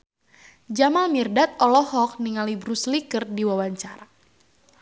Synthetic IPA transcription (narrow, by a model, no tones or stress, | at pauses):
d͡ʒamalmirdat̪̚ɔlɔhɔk̚niŋalibɾuslikərdiwawaɲt͡ʃaɾa